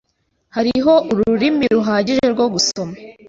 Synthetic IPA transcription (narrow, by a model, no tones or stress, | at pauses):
haɾiɦo̞ʔuɾuɾimiɾuɦaːɟiʒe̞ɾɡo̞ɡuso̞ma